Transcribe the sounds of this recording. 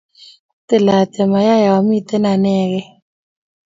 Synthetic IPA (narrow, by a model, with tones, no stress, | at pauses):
tɪ˨la˨tɛ˨ma˨ja˦ja˨wa˨mi˦t̪ɛ˦na˨nɛ˦˨ɣɛ˦